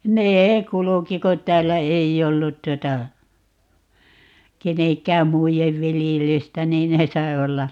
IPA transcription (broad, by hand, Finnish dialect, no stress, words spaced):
neː kuluki ko tˑæːlːæ eij olːut tuotɑ keneŋkˑæːm muijeʋ ʋiljelystæ niːn ne sɑi̯ olːɑ